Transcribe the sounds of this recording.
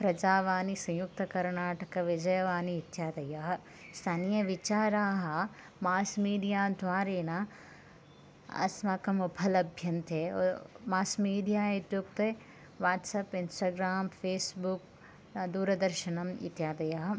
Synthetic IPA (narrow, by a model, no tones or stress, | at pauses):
pɾɐd͡ʒaːʋaːnisɐ̃jʊk̚t̪ɐkɐɾnaːʈɐkɐʋɪd͡ʒɐjɐʋaːniːt̪jaːd̪ɐjaːɦɐ | st̪ʰaːnijɐʋɪt͡ʃaːɾaːɦɐ | maːsmiːɖijaːd̪ʱʋaːɾeːna | ɐ̰smakɐmɐbʰɐlɐbʱjɐnt̪emaːsmiːɖijaːɪt̪juk̚t̪e | ʋaːʈsɐpɪnsʈaːɡɾaːmfeːsbuk | d̪uːɾɐd̪ɐɾʃɐnɐmɪ̰t̪jaːd̪ɐjaːɦɐ